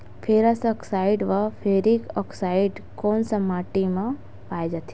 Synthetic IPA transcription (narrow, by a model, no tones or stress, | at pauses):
pʰeɾɐsɔksaɪɖʋapʰeːɾikɔksaɪɖkoːnsɐmaːʈimã | paːjd͡ʒat̪i̥